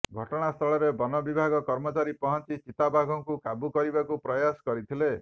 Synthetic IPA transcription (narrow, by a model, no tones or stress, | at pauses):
ɡʱɔʈɔɽ̃ast̪ʰɔɭɔɾebɔnɔbibʱaɡɔkɔɾmɔt͡ʃaɾipɔɦɔnt͡ʃit͡ʃit̪abʱaɡʱɔŋkukabukɔɾibakupɾɔjaskɔɾit̪ʰile